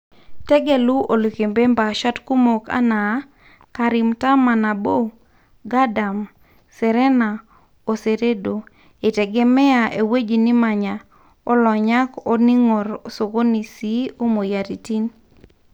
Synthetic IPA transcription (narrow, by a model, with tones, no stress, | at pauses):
tɛ˦ɡe˨lu˦ʔo˨lo˨ke˨mbe˦mba˨ʃa˦tku˦mo˨ka̰˦naː˨˦ | ka˨ɾi˨mta˦ma˨na˨bo˦ | ɡa˦da˨m | sɛ˨ɾɛ˦na˨ | o˨se˨ɾe˦do˨ | e˨tɛ˨ɡɛ˦mɛ˦a˨ʔe˨we˦d͡ʒi˨ni˦ma˨ɲa˨ | ɔ˦lɔ˨ɲa˦kɔ˦ni˦ŋɔ˨ɾo˨so˨ko˦ni˨si˦o˦mo˨ja˨ti˨ti˦n